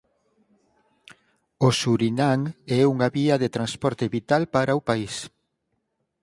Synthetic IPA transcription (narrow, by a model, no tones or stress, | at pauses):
osuɾinaŋɛuŋaβiɐðet̪ɾanspɔɾt̪eβit̪alpaɾaupais